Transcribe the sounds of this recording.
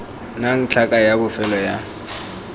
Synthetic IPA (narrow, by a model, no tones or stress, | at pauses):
naŋ̩t͡ɬʰakʼajabʊfɛlɔja